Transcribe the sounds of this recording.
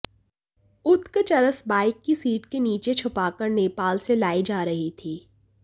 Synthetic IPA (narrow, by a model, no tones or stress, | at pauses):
ʊt̪kt͡ʃɐɾəsbaːɪkːisiːʈkeniːt͡ʃet͡ʃʰʊpaːkəɾneːpaːlselaːid͡ʒaːɾɐɦit̪ʰiː